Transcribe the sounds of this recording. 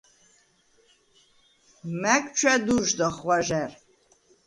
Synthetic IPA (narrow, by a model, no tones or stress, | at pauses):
mæk̚ʼt͡ʃʰwɛd̪uʒd̪ɔχwaʒɛr